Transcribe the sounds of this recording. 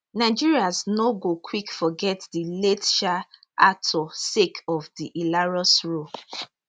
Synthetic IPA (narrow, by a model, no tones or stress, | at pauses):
naɪd͡ʒiɹiaznoɡokʰwikfɔɡɛtdiletʃa | ʔatʰɔsekʰɔvdiʔilaɹɔsɹo